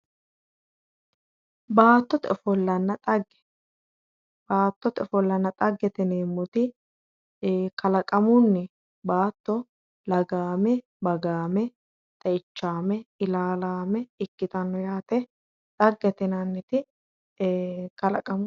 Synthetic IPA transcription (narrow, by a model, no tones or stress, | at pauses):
baːt̪ːɔt̪ɔfɔlːɐnːɐt̪ʼɐɡːɛ̥ | b̥aːt̪ːɔt̪ɔfɔlːɐnːɐt̪ʼɐɡːɛt̪ɛneːmːɔt̪ɪ | kɐlɐkʼɐmʊnːɛ | baːt̪ːɔ | lɐɡaːmɛ | bɐɡaːmɛ | t̪ʼɐɪt͡ʃːaːmɛɪlaːlaːmɛɪkːɪt̪ɐnːɔjaːt̪ɛ | ᶑ̪ɐɡːɛt̪ɪnɐnːɛt̪ɪ | kɐlɐkʼɐm